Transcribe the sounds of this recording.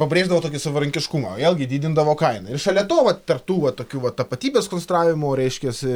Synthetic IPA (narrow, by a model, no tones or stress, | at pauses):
pɐbʲɾʲeːʒd̪ɐʋoːt̪oːkʲɪsɐʋɐɾɐŋʲkʲɪʃkumɐ̰eːlˠɡʲɪd̪ʲiːd̪ʲɪnd̪ɐʋoːkɐɪnɐɪɾʃɐlʲɛt̪oːʋɐt̪ʲɛrp̚t̪uːʋɐt̪oːkʲuːʋɐt̪ɐpɐt̪ʲiːbʲeːskonsʲɛnt̪ɾɑːʋʲɪmʊɾʲɛɪʃʲkʲɛsʲɪ